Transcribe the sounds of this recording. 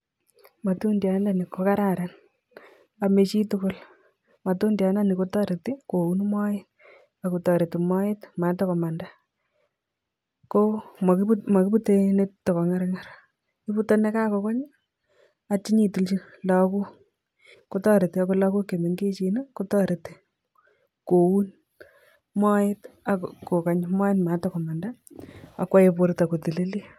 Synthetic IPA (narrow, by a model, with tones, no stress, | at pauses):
ma˨tu˦ndja˨˦la˦˨ni˨ko˦ka˦ɾa˦ɾa˨n | a˨me˨t͡ʃi˦tu˦kʊ˦l | ma˨to˦ndja˨na˦ni˨ko˦tɔ˦ɾe˨ti˦ko˨u˦nmɔ˦jɪt | a˨ku˨tɔ˨ɾe˨ti˨ma˦jɪ˦tma˨tɔ˦kɔ˨ma˨nda | ko˦mma˨ki˦bu˦te˦ne˦tːo˨kɔ˨ŋa˦ɾŋaɾ | i˦pu˦to˦ne˦ka˦kɔ˨ka˦ɲ | at͡ʃi˦ɲi˨tu˨lt͡ʃi˦la˨ku˦ | ko˦tɔ˦ɾe˨te˦ako˦la˦ku˦ke˨me˨ŋɡe˦t͡ʃi˨ne˦ko˦tɔ˦ɾe˨te̥˦ | ko˨wu˦n | mɔ˦e˦ta˨kko˨ka˨ɲma˦ɪ˦tma˨tɔ˦kɔ˨ma˨nda˦a˨kwa˦je˦po˦ɾeta˨ko˨ti˨le˦li˦